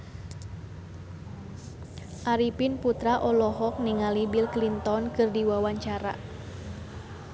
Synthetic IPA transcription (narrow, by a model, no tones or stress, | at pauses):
ʔaɾipinput̪ɾaʔɔlɔɦɔk̚niŋalibilklint̪ɔnkɨrdiwawaɲt͡ʃaɾa̰